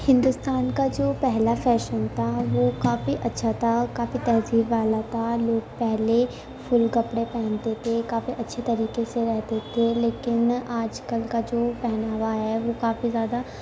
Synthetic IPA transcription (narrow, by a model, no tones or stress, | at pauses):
hɪ̃nd̪ʊst̪aːnkad͡ʒoːpɛɦlapʰɛːʃənt̪ʰaːʋoːkaːfiʔətːʃʰat̪ʰakaːfit̪ɛːɦziːbʋaːlat̪ʰaːloːɡpɛɦle | pʰʊlkəpɽepɛ̃ːnt̪et̪ʰekaːfiʔətːʃʰet̪ɐɾiːkeseɾɛɦt̪et̪ʰeleːkɪnaːd͡ʒkəlkad͡ʒoːpɛɦnaːʋaɦɛːʋoːkaːfizjaːd̪a